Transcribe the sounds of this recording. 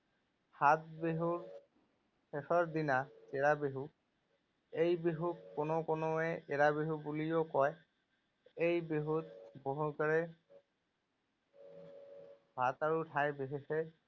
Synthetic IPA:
hat̪̚beɦuɹ | sesɔɹd̪inaeɹabeɦu | ejbeɦukkːonokonoɛʔeɹabeɦubulijokɔj | ejbeɦut̪boɦukaɹɛ | bʱat̪aɹutʰajbeɦisɛ

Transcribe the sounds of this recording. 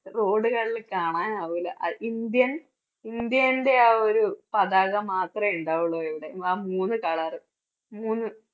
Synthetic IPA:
ro̞ːɖɨkɐɭːilkaːɳaːnaːʋilːɐ̰ʔɐ̰ʔind̪jɐn | ind̪jɐinde̞aːoɾupɐðaːɣɐmaːt̪rɐiɳɖaːʋuɭːɐeʋiɽe̞aːmuːnːɨkaːɭaːrɨ | muːnːɨ

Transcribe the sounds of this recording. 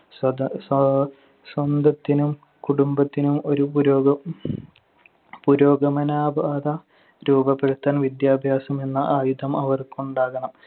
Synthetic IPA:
sɐs | swɐnd̪ʱɐt̪ːinum | kuɽumbɐt̪ːinumo̞ɾupuɾoːɡɐ | puɾo̞ːɡɐmɐnaːbʱaːd̪ɐ | ɾuːbɐpːeɽut̪ːaːnʋid̪jaːbʱjaːsɐme̞nːɐʔaːjud̪ɐmɐʋɐrkuɳɖaːɣɐɳɐm

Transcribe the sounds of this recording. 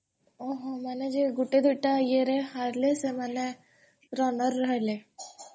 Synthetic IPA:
oɦomɛːned͡ʒeɡʊʈed̪ʱuʈajeɾɛɦaɾlesemɛːne | ɾɔːnəɾːəɦeleː

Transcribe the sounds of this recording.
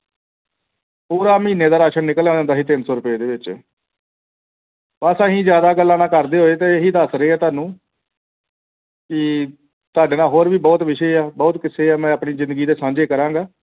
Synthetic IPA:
puːɾaːmĩːneːd̪aːɾaːʃənːɪkəleːãːnd̪aːɦiːt̪ɪnsɔːɾʊpeːd̪eːʋɪt͡ʃ | ʋəsãːɦĩːzjaːd̪aːɡəlːãːnãːkəɾd̪eːɦoːeːt̪eːeɦiːd̪əsɾeːɛːt̪aːnũː | kɪ | t̪oaːɖeːnãːɦoːɾʋiːbɔːt̪ʋɪʃeːaːbɔːt̪kɪseːaːmɛ̃ːəpɳiːzɪ̃nd̪əɡiːd̪eːsãːd͡ʒeːkəɾãːŋɡaː

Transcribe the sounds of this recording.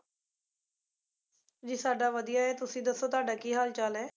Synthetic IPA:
d͡ʒiːsaːɖaːʋəd̪ijaːɛːt̪ʊsĩːd̪əsːoːt̪ʊaːɖaːkiːɦaːlt͡ʃalɛː

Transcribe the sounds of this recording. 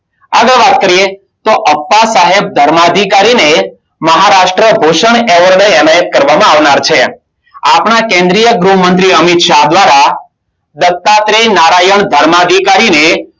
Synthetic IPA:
aɡəɭʋat̪̚kəɾije | t̪oʔəpːasaɦeb̚d̪ʱəɾmad̪ʱikaɾine | məɦaɾaʃʈɾəbʱoʃəɳɛʋəɾleɛnajət̪̚kəɾʋamãaʋnaɾt͡ʃʰe | a̰pɳakẽnd̪ɾijəɡɾuɦmənt̪̬ɾiəmit̪ʃad̪ʋaɾa | d̪ət̪ːat̪ɾenaɾajəɳd̪ʱəɾmad̪ʱikaɾine

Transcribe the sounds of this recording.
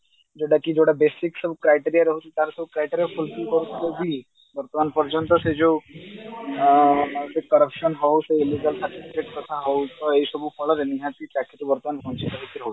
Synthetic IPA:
d͡ʒoɽakid͡ʒoɽabesiksɔbukɾajʈiɾijaɾɔɦut͡ʃʰit̪aɾsɔbukɾajʈiɾiapʰulkilkɔɾut̪ʰiobi | bɔɾt̪ɔmanpɔɾd͡ʒɔnt̪ɔsed͡ʒo | sekɔɾəpʰʃɔnɦɔwseiliɡəlsaʈipʰikeʈkɔt̪ʰaɦɔwt̪ɔejsɔbupɔɭɔɾeniɦãt̪it͡ʃakʰit̪ubɔɾt̪ɔmanpɔ̃nt͡ʃʰit̪ɔɦikiɾɔɦot͡ʃi̥

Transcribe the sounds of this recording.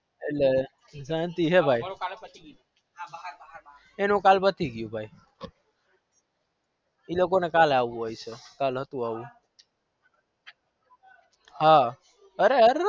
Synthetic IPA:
ele | d͡ʒant̪iɦebʱaj | enokalpət̪iɡijũbʱai | ilok̬onekalaʋũɦojt͡ʃʰekalɦət̪ũaũ | ɦã | əɾeəɾ

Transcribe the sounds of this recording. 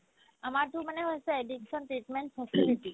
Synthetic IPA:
əmaɾt̪ũməneɦojseeɖikʃɔnʈɾiʈmeɳʈfʰəsiliʈi

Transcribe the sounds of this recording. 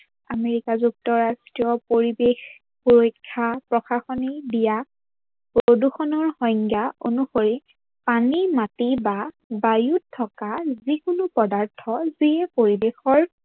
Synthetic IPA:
ameɹikazuk̚tɔɹastɹijɔpoɹibex | puɹojkʰːapɹɔxaxɔnidija | poduxɔnɔɹhɔŋɡjaonuxoɹi | panimatiba | bajutʰːɔkazikʊnʊpɔdaɹtʰɔziɛpoɹibexɔɹ

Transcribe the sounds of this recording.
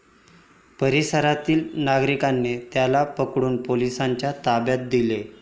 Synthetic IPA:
pəɾisəɾat̪iːlnaɡɾikanːet̪jalapəkɽuːnpolisaɲt͡ɕjat̪abjat̪̚d̪ile

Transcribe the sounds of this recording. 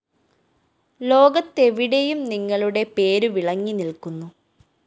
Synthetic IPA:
lo̞ːɡɐt̪ːe̞ʋiɽe̞jumniŋːɐɭuɽe̞pe̞ːɾuʋiɭɐŋːinilkunːu

